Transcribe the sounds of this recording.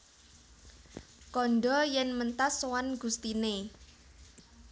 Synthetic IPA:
kɔnɖɔjɛnmənt̪aswanɡ̥ṳst̪ine

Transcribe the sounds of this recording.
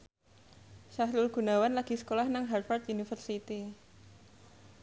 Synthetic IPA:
ʃahlʊlɡ̥ṳnawanlaɡ̥isə̥kolahnaŋɦarfart̪unifərsit̪i

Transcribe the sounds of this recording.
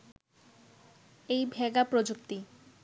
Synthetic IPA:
ejbʱeɡapɾod͡ʑukt̪i

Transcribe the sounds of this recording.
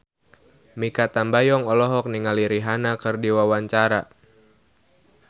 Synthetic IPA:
mikat̪ambajɔŋɔlɔɦɔk̚niŋaliɾiɦanakɨrdiwawaɲt͡ʃaɾa

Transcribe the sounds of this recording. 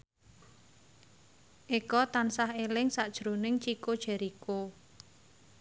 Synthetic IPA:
ʔikɔt̪ansahelɪŋsaʔd̥ʒ̥ɾo̤nɪŋt͡ʃikod̥ʒ̥ɛ̤ɾiko

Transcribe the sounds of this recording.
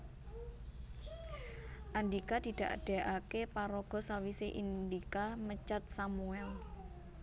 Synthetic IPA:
ʔand̪ikad̪̥i̤d̪̥ä̤ʔɖ̪̥a̤ʔakepaɾɔɡ̥ɔ̤sawiseʔind̪ikamət͡ʃat̪̚samuɛl

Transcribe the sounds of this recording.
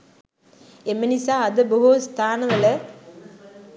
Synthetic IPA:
emenisaːɐd̪ɐboɦust̪ʰaːnɐʋɐlɐ

